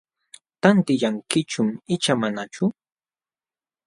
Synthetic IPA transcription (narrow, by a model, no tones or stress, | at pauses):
t̪ant̪ɪʎaŋkɪt͡ʃʊmɪt͡ʃamanat͡ʃʊ